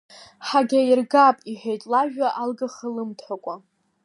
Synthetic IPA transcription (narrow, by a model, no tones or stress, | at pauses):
ħaɡʲairɡapʼiħᶣejtʼlaʒᶣaʔalɡaχəlɨmtʰħʷakʷʼa